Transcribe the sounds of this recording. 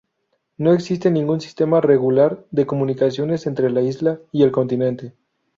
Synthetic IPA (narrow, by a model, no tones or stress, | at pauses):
no̞eksis̬t̪e̞nĩŋɡunsi̥st̪e̞mare̞ɣulaɾðe̞ko̞mũnikas̬jo̞ne̞se̞nt̪ɾe̞laizlaie̞lko̞nt̪inent̪e̞